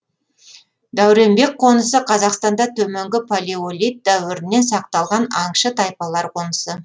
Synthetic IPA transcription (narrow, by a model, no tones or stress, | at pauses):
d̪æwɾe̞mbe̞k̚qʰo̞nəsəqʰɑzɑqst̪ɑnd̪ɑt̪ʰɵme̞ŋɡʲɪpʰolʲiolʲijt̪̚d̪æwɪɾɪnːe̞nsɑq̚t̪ɑlˠʁɑnɑɴʃət̪ʰɑjpɑlˠɑɾqʰo̞nəsə